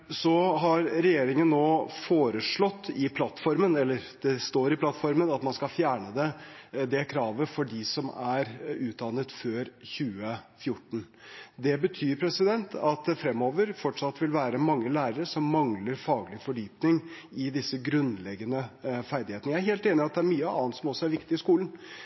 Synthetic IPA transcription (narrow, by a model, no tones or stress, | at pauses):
sɔɦɑɾɾɛjeːɾɪŋənːoːfoːɾəʂɭɔt̪ːɪpʰlɑt̪ːfɔɾmənɛlːəɾd̪̥ɛst̪oːɾɪpʰlɑt̪ːfɔɾmənɑt̪mɑnskɑlfjæːɳəd̪ɛd̪ɛkʰɾɑːʋəfɔɖɪsɔmæɾʉːt̪̚d̪ɑnət̪føːɾçʉːəfjʊʈːɳ̩ | d̪ɛbət̪ʰyːɾpʰɾɛsɪd̪ɛnt̪ʰɑt̪̚d̪ɛfɾɛmːoːʋəɾfɔʈʂɑt̪ːʋɪlʋæːɾəmɑŋːəlæːɾəɾəʂɔmːɑŋləɾfɑːɡlɪfɔɖyːpnɪŋ | ɪd̪ɪsːəɡɾʉnlɛɡːənəfæɾd̪ɪheːt̪ənəjæɾheːlt̪eːnɪɑt̪̚d̪ɛæɾmyːəɑ̰ːnt̪sɔmɔsːɔæɾʋɪkt̪ɪɪskuːlən̩